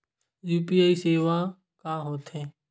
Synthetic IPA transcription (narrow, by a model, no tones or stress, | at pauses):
juːpiaːiseːʋa | kaɦoːt̪ɦɛ̃ː